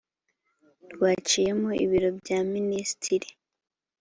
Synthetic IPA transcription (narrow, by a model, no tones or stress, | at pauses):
dɡwaːt͡ʃije̞moḭβiɾo̞bjaːministʰiɾi